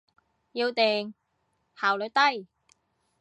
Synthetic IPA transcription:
jiː˧wt̪eː˨˩ŋ | haː˨˩wlɵ˨˧˥t̪ɐ˥˩j

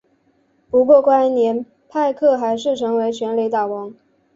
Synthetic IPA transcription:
pu˧˥kwɔ˥˧kwa˥njɛ˧˥n | pʰa˥˧ɪkʰɤ˥˩xa˧˥ɪʂ̬ɻ̩˥˩ʈ͡ʂʰɤ˧˥ŋwe˧˥ɪt͡ɕʰɥɛ˧˥nli˧˥t̪a˨˩wɑ˧˥ŋ

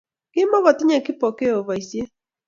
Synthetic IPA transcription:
kɪ˦mɔ˦βɔ˨tɪ˦ɲɛ˦kɪ˦pɔ˨ke˦o˨βa˨i˨sje˦

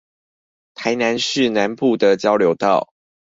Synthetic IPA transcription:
t̪ʰa˨˧˥ɪna˧˦nʂɻ̩˥˨na˧˦npu˥˨d̪ə˨t͡ɕjɑ˥ʊljo˨˧˥ʊt̪ɑ˥˨˩ʊ

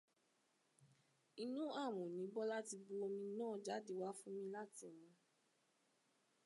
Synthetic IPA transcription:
i˨nũ˦a˦˨m̃ũ˨nĩ˨˦bɔ˦la˦ti˧bu˧o˧mĩ˧nãː˦˨d͡ʒa˨˦de˦˨wa˦fũ˦mĩ˧la˦ti˦˨mũ˨˧

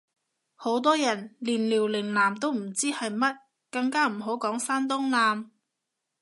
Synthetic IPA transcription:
ho˨˥wt̪̬ɔː˥jɐ˨˩nliː˨˩nliː˨˩wlɪ˨˩ŋlaː˨˩mt̪o˥wm̩˨˩t͡siː˥hɐ˨jmɐ˥t̚ | kɐ˧ŋkaː˥m̩˨˩ɦo˨˥wkɔː˨˥ŋfaː˥nt̪̬ʊ˥ŋlaː˧m

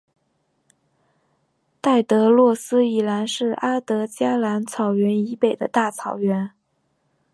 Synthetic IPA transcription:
t̪a˥˩ɪt̪ɤ˧˥lwɔ˥˩sɹ̩˥i˨˩la˧˥nʂɻ̩˥˩ʔa˥t̪ɤ˧˥t͡ɕja˥la˧˥nt͡sʰɑ˨˩ʊɥɛ˧˥ni˧˥pe˨˩ɪd̪ə̰˦t̪a˥˩t͡sʰɑ˨˩ʊɥɛ˧˥n

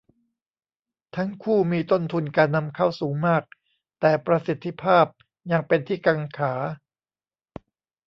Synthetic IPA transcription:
t̪ʰa˦˥ŋkʰuː˥˩miː˧t̪o˥˩nt̪ʰu˧nkaː˧nːa˧mkʰa˥˩wsuː˩˦ŋmaː˥˩k̚ | t̪ɛː˨˩pɾa˧si˨˩t̪ʰːi˧˦pʰaː˥˩p̚ | ja˧ŋpe˧nt̪ʰiː˥˩ka˧ŋkʰaː˩˦

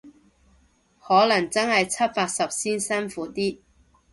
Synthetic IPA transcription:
hɔː˨˥lɐ˨˩ŋt͡sɐ˥nhɐ˨jt͡sʰɐ˥t̚paː˧k̚sɐ˨p̚siː˥nsɐ˥nfuː˨˥t̪iː˥

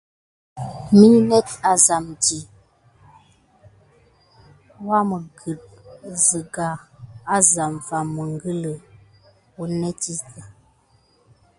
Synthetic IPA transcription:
mi˦nɛ˦t̚a˨za˨mti˨ | wa˦mə˨ɡə˨t̚zə˨ɡa˨a˦za˨mva˨mmːə˨ŋ˦ɡə˦lə˨ | u˨nɛ˦ti˦tə˨

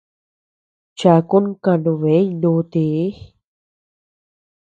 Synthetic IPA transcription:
t͡ʃa˧˨ku˦nka˧nu˧˨βe˨˦nu˧t̪i˧˨˦

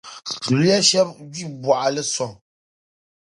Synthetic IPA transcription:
tu˨lɛ˦ʃɛ˦p̚ɡi˦˨bwa˨ʔlɛ˦sɔ˨ŋ

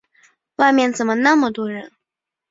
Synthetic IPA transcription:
wa˥˧ɪmjɛ˥˩nt͡sə˨˩mə˦na˥˩mə˨t̪wɔ˥ɻə˧˥n

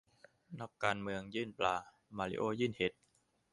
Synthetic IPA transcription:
na˦˥˩kːaː˧nmɯ˧əŋjɯː˥˩nplaː˧ | maː˧˩lḭ˧ʔoː˧˩jɯː˥˩nhe˨˩˦t̪̚

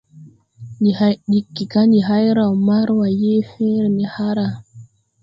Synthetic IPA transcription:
ni˨hajɗikːi˨ka˦ni˨ɦa˦jɾa˨maɾwa˨je˦fɛː˦ɾɛ˨ni˨haɾa˨

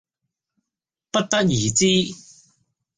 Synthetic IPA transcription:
pɐ˥t̚t̪ɐ˥t̚jiː˨˩t͡siː˥

